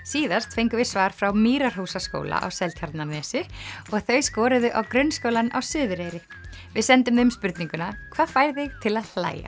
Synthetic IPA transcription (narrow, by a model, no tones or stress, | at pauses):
siːðast̪fejŋkʏvɪðsvaːɾ̥fɾawmiːɾaɾ̥huːsasko̰wla̰ʔa̰wsɛlt̪çaɾt̪nanɛːsɪɔɣθœɥskɔːɾʏðʏʔawkɾʏnskowlana̰wsʏːðʏɾejɾɪ | vɪðsɛnt̪ʏmðʏmspʏɾt̪niŋkʏnakʰv̥aːðfaːjɾθɪɣt̪ʰɪlaðl̥a̰ːja̰